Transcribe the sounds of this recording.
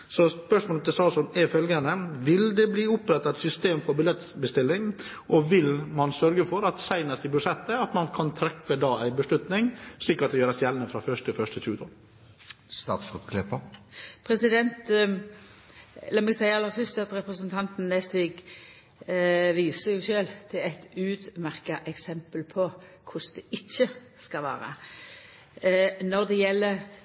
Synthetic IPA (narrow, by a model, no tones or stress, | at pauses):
sɔspœʂmoːlt̪ɛsɑːsɔnɛɾfœlɡənəʋɪld̪ɛbliːʊpɾɛt̪ːɑɛt̪sʏst̪eːmfɔɾbɪlɛt̪ːbəst̪ɪlːɪŋ | ʔɔʋɪlmɑnsœɾɡəfɔɾɑt̪sæɪnəsɪbʉsɛt̪ːəɑt̪mɑnkʰɑnt̪ʰɾɛfəd̪ɑːæɪbəʂlʉt̪nɪŋsɭiːkɑt̪̚d̪ɛjøːɾəsjɛlənəfɾɑfœʂt̪ʰɪlfœʂt̪ʰɪt͡ʃʉːət̪ʰɑl | st̪ɑ̰ːt̪sɔpkʰlɪpəpʰɾɛsɪd̪ɛnt̪ | ɛləmɛɡsæɪəɑlːəɾfœst̪ɑt̪ɾɛpɾəsənt̪ʰɑnt̪n̩ːɛsɪɡ | ʋiːsəɾjʊɕøːlt̪ʰɪlæɪt̪ʉːd̪mæʁkɑʔɛksɛmpəlpʰɔkʰʊsd̪ɛʔɪçːəskɑʋæ̰ːɾə̰ | nɔɾd̪ɛjɛlːə